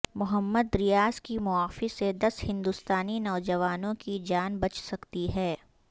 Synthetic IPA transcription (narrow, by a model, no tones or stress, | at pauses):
mʊɦəmːəd̪ːɾɪjaːskimʊaːfised̪ɐshɪ̃nd̪ust̪aːninɔːd͡ʒɐʋaːnõkid͡ʒaːnbɐt͡ʃsɐkt̪iɦɛː